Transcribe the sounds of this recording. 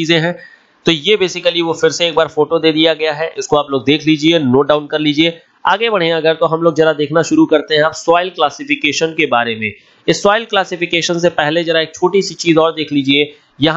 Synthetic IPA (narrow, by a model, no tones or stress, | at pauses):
iːzẽɦɛ̃ː | t̪oːjebeːsɪkəliʋofɪɾseeːk̚baːɾfoːʈod̪eːd̪ijaɡɐjaɦɛʔɪskoaːploːɡ̚d̪eːkʰliːd͡ʒienoːɖaːʊnkɐɾliːd͡ʒie | aːɡebɐɽ̤̃ẽɐɡəɾt̪oɦɐmloːɡd͡ʒɐɾad̪eːkʰnaʃʊɾukɐɾt̪eɦɛ̃aːpsaːɪlklaːsɪfɪkeːʃənkebaːɾemẽ | ɪsːaːɪlklaːsɪfɪkeːʃəns̬epɛɦled͡ʒɐɾaeːk̚t͡ʃʰoːʈisit͡ʃiːzɔːɾd̪eːkʰliːd͡ʒie | jɐɦ